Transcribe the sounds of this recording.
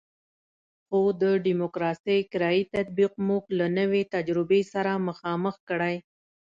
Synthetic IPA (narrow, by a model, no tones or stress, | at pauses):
xod̪əɖimokɾɑsəjkɪɾɑit̪at̪̚biqmʊklanəwet̪ad͡ʒɾɪbesaɾaməxɑməxkəɽaj